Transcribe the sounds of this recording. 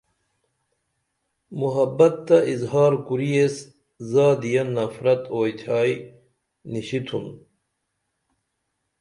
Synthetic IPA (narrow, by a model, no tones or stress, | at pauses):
muɦɐbɐt̪ːɐʔizɦaːɾkuɾijes | zaːd̪ijɐnːɐfɾɐt̪oːjt̪ʰaːj | niɕit̪ʰun